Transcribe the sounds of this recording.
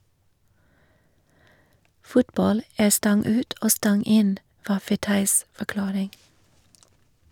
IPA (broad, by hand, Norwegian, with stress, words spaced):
ˈfʊtˌbɑl ˈæː ˈstɑŋ ˈʉːt ˈoː ˈstɑŋ ˈɪn ˈʋɑː fɛˈtɑɪs fɔˈklɑːɾɪŋ